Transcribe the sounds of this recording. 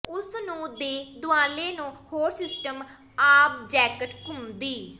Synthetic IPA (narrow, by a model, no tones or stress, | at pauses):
ʊsnũːd̪eːd̪ʊãːleːnũːhoːɾsɪsʈəmaːp̚d͡ʒɛːkəʈkʊmd̪iː